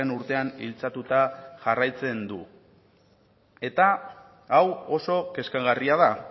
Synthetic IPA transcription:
enuɾt̪e̞anḭlt͡sat̪ut̪aʝarajt͡se̞nd̪u | e̞t̪aː | wo̞so̞ke̞skaɣariaða

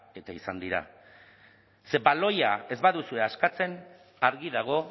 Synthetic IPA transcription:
e̞t̪aisand̪iɾa̰ | se̞βalo̞jae̞zβaðusue̞askat͡se̞n | aɾɣiðaɣ̞o̞

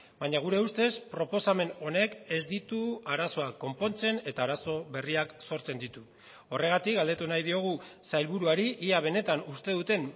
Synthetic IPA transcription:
baɲaɣ̞uɾe̞ust̪e̞spɾo̞po̞same̞no̞ne̞ke̞zd̪it̪uaɾaso̞akːo̞mpo̞nt͡se̞ne̞t̪aːɾaso̞βe̞riakso̞ɾt͡se̞nd̪it̪u | o̞re̞ɣ̞at̪ikɡald̪e̞t̪unajðio̞ɣ̞usajlβuɾuaɾiʔiaβ̞e̞ne̞t̪anust̪e̞ðut̪e̞n

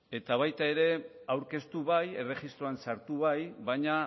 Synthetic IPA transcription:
e̞t̪aβajt̪ae̞ɾe̞awɾke̞st̪uβaje̞re̞xist̪ɾo̞ansaɾt̪uβajβajɲa

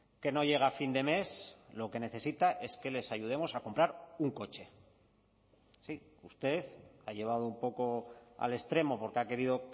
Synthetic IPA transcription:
ke̞no̞ʝe̞ɣ̞afind̪e̞me̞slo̞ke̞ne̞θe̞sit̪aʔe̞ske̞le̞saʝuð̞e̞mo̞sako̞mpɾaɾuŋko̞t͡ʃe̞ | si | ust̪e̞ðaje̞β̞að̞oumpo̞ko̞a̰le̞st̪ɾe̞mo̞po̞ɾkeake̞ɾiðo̞

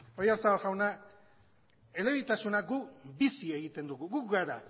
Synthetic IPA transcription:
ojaɾsaβalɣawna | e̞le̞βit̪asunaɡubisie̞ɣit̪e̞nd̪uɣuɣukɡaɾa

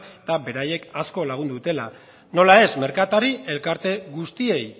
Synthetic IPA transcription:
t̪abe̞ɾaje̞kasko̞laɣ̞und̪ut̪e̞la̰ | no̞lae̞zme̞ɾkat̪aɾie̞lkaɾt̪e̞ɣust̪ie̞j

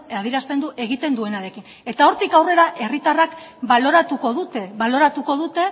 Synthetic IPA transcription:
aðiɾast̪e̞nd̪uʔe̞ɣ̞it̪e̞nd̪ue̞naɾe̞kin | e̞t̪ao̞ɾt̪ikawre̞ɾaʔe̞rit̪arakβalo̞ɾat̪uko̞ðut̪eβalo̞ɾat̪uko̞ðut̪e̞

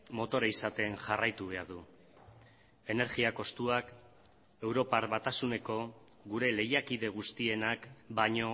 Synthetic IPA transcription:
mo̞t̪o̞ɾaisat̪e̞nʝarajt̪uβe̞aɾðu | e̞ne̞ɾɣiako̞st̪uak | e̞wɾo̞paɾβat̪asune̞ko̞ | ɣuɾe̞le̞jakiðe̞ɣ̞ust̪ie̞nakbaɲo̞

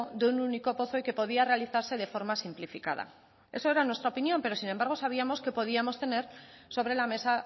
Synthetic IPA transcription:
d̪eununiko̞po̞θo̞ike̞po̞ðiare̞aliθaɾse̞ð̞e̞fo̞ɾmasimplifika̰ða̰ | e̞so̞e̞ɾanwe̞st̪ɾaopinjõ̞mpe̞ɾo̞sinembaɾɣ̞o̞saβ̞iamo̞ske̞po̞ð̞iamo̞st̪e̞ne̞ɾso̞βɾe̞lame̞sa

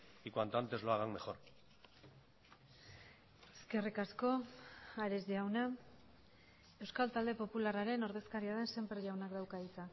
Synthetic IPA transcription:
ikwant̪ant̪ezloaɣaŋme̞xo̞ɾ | eske̞rikasko̞aɾe̞zðawna | e̞wskalt̪ald̪e̞po̞pularaɾe̞no̞ɾðe̞skaɾiað̞e̞nse̞mpɾeʝawnakd̪awkaðit͡s̪a

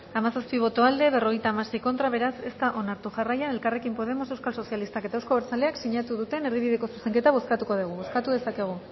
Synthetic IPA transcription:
amasaspiβ̞o̞t̪o̞ald̪e̞βe̞ro̞ɣejt̪aːmase̞jko̞nt̪ɾaβ̞e̞ɾase̞st̪aʔo̞naɾt̪uʝarajane̞lkare̞kimpo̞ð̞e̞mo̞se̞wskalso̞sjalist̪ake̞t̪aewsko̞βeɾt͡sale̞aksiɲat̪uðut̪e̞ne̞ɾð̞iβiðe̞ko̞su̥se̞ŋket̪aβ̞o̞skat̪uko̞ð̞iɣ̞uβo̞skat̪uðe̞sake̞ɣ̞u

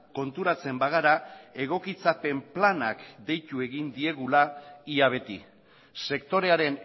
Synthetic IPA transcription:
ko̞nt̪uɾat͡se̞mbaɣ̞aɾae̞ɣ̞o̞kit͡sape̞mplanakd̪e̞jt̪ue̞ɣind̪ie̞ɣulaiaβ̞e̞t̪i | se̞kt̪o̞ɾe̞aɾe̞n

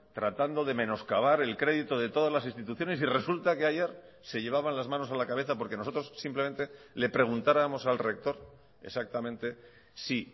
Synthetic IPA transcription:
t̪ɾat̪and̪o̞ðe̞mẽ̞no̞skaβ̞aɾe̞lkɾe̞ðit̪o̞ð̞e̞t̪o̞ðazlasinst̪it̪uθjo̞ne̞sire̞sult̪akeaʝe̞ɾ | se̞ʎe̞β̞aβ̞anlazmãno̞salakaβ̞e̞θapo̞ɾke̞noo̞t̪ɾo̞sːimple̞me̞nt̪e̞le̞pɾe̞ɣ̞unt̪aɾamo̞salre̞k̚t̪o̞ɾ | e̞̰sak̚t̪amẽ̞nt̪e̞ | si

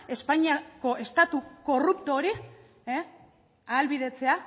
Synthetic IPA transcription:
e̞spaɲiako̞ʔe̞st̪at̪uko̞rupt̪o̞ɾi | e | alβiðe̞t͡se̞a

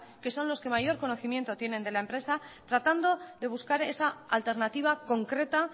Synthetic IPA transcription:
ke̞so̞nlo̞ske̞majo̞ɾko̞no̞θimje̞nt̪o̞t̪je̞ne̞nd̪e̞laempɾe̞sat̪ɾat̪and̪o̞ðe̞βuskaɾe̞saalt̪e̞ɾnat̪iβ̞ako̞ŋkɾe̞t̪a

